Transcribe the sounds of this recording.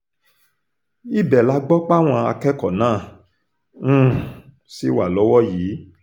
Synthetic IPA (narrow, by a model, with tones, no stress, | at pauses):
i˦˨bɛ˨la˨˦ɡ͡bɔ˦k͡pa˦˨w̃ɔ̃˧a˧kɛ˦kɔ˨nãː˦˨ | ũ˦˨ | si˨˦wa˨lɔ˨˦wɔ˦jiː˨˦